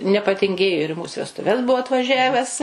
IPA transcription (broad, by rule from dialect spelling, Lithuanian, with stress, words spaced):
nʲɛpɐtʲɪŋʲˈɡʲeːjoː ɪr ɪ ˈmuːs ʋʲɛstʊˈʋʲɛs ˈbʊʋoː ɐtʋɐˈʒʲæʋʲɛs